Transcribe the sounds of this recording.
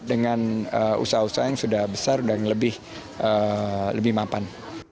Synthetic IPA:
dəŋanəṵsausajaŋsudahbəsarudaŋləbɪh | ʔələbɪhmapan

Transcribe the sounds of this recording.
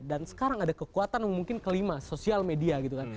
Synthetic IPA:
dansə̥kaɾaŋadakəkuat̪anjaŋmuŋkɪnkəlimasosialmediaɡit̪ukan

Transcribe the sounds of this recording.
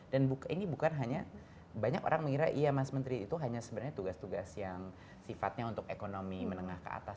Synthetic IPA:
danbukinibukanɦaɲa | baɲa̰ko̰ɾaŋməŋiɾaʔijamasmənt̪ɾiːt̪uɦaɲasəbənɲat̪uɡast̪uɡasjaŋ | sifa̰t̪̚ɲaunt̪ʊkekonomimənəŋahkə̰a̰t̪a

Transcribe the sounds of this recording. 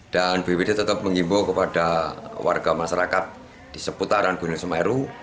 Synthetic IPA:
d̥anbewedit̪ət̪əp̚məŋimbokəpad̥awa̰rɡ̥amaʃaɾakat̪̚ | d̥isəput̪aɾanɡ̥unusəmaɛɾu

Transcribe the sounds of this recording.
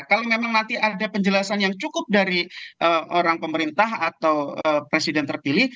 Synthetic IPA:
kalomemaŋnant̪iʔadapəɲd͡ʒəlasanjaŋt͡ʃukʊp̚daɾiʔəʔoɾaŋpəməɾint̪aɦat̪awəpɾesidɛnt̪ərpilɪh

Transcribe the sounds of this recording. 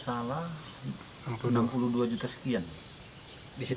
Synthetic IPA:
sala | nampuluduad͡ʒut̪asə̥kian | disi

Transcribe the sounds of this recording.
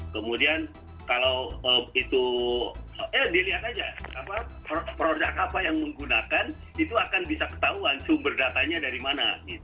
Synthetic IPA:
kəmudian | kalawəit̪u | əɛdialiɦat̪ad͡ʒaapappəɾod͡ʒakapajaŋməŋɡunakan | it̪uakanbisakə̥t̪auant͡ʃuŋbərdat̪aɲadaɾimana̰ɡit̪u

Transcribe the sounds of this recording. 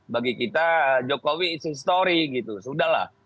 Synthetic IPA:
baɡikit̪ad͡ʒokowisəis̬t̪oɾiɡit̪usudahla̰h

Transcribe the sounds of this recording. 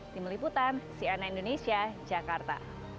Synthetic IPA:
t̪imliput̪ansianaindonesiad͡ʒakart̪a̰

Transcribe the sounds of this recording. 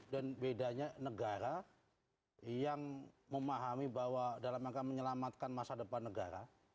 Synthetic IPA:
danbedaɲanəɡaɾa | jaŋməmaɦamibawadalamakaməɲəlamat̪̚kanmasadəpanːəɡa̰ɾa

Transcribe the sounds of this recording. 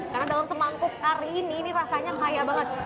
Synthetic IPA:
karnadalamsəmaŋkʊk̚ːaɾiːninirasaɲaajabaŋət̪̚

